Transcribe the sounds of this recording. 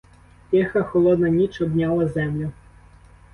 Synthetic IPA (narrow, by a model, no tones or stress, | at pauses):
tʲɛxɐxɔlˠɔd̪nɐnʲit͡ʃɔbnʲalˠɐzɛmlʲʊ